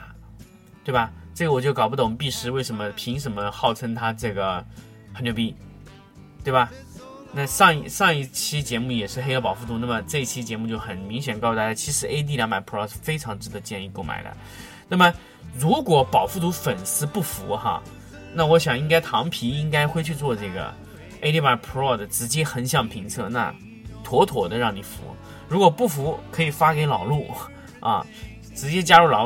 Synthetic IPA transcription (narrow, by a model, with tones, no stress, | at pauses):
t̪we˥˩ɪbɐ˨˩ʈ͡ʂɤ˥˩ɡə˩wɔ˨˩t͡ɕjo˥˩kɑ˨˩ʊpu˧t̪ɑ˥˩ʊ˩˨˩p̬i˥˩ʂɻ̩˧˥we˥˩ɪʂə˧˥nmə˧pʰi˧˥ŋʂə˧˥nmə˧xɑ˥˩ʊʈ͡ʂʰə˥nt̪ʰa˥ʈ͡ʂɤ˥˩ɡə˩ | xə˧˥nt͡ɕjo˧˩pi˥ | t̪we˥˩ɪbɐ˩ | na˥˧ʂɑ˥˧ŋi˥˧ʂɑ˥˧ŋi˥˩t͡ɕʰi˥t͡ɕjɛ˧˥mu˥˩jɛ˨˩ʂɻ̩˥˧xe˥ɪ˥˩pɑ˨˩ʊfu˥˩t̪ʰu˧˥na˥˩mə˩ʈ͡ʂɤ˥˧i˥˩t͡ɕʰi˥t͡ɕjɛ˧˥mu˥˧t͡ɕjo˥˩ʊxə˨˩nmi˧˥ŋɕ̬jɛ˨˩nkɑ˥˧st̪a˥˩t͡ɕa˥t͡ɕʰi˧˥ʂɻ̩˧˥e˥ɪt̪̬i˥˧ljɑ˧˥ŋma˨˥ɪpʰɔ˥˧ʂ̩˥˧˩fe˥ɪʈ͡ʂʰɑ˧˥ŋʈ͡ʂɻ̩˧˥d̪ə˧˦t͡ɕjɛ˥˧ni˥˧ko˥˩ʊma̰˨˩ɪlə̰˦ | na˥˩mə˩ | ɻu˧˥kwɔ˨˩pɑ˨˩ʊfu˥˩t̪ʰu˧˥fə˨˩nsɹ̩˥pu˥˩fu˧˥xɐ̰˧ | na˥˩wɔ˧˥ɕjɑ˨˩ŋi˥ŋka˥ɪt̪ʰɑ˧˥ŋpʰi˧˥i˥ŋka˥ɪxwe˥˧ɪt͡ɕʰy˥˧t͡swɔ˥˧ʈ͡ʂɤ˥˩ɡə̰˩ | e˥ɪi˥˩ma˧˩ɪpʰɔ˥˩d̪ə˨ʈ͡ʂɻ̩˧˥t͡ɕjɛ˥xə˧˥nɕjɑ˥˩ŋpʰi˧˥ŋt͡sʰɤ˥˧na̰˥˩ | t̪ʰwɔ˧˥t̪ʰwɔ˨˩d̪ə˦ɻɑ˥˩ŋni˨˩fṵ˧˥ | ɻu˧˥kwɔ˨˩pu˥˩fu˧˥kʰɤ˧˥i˨˩fa˥ke˧˥ɪlɑ˨˩ʊlu˥˩ | ɐ̰˥˧ | ʈ͡ʂɻ̩˧˥t͡ɕjɛ˥t͡ɕja˥ɻu˥˩lɑ˨˩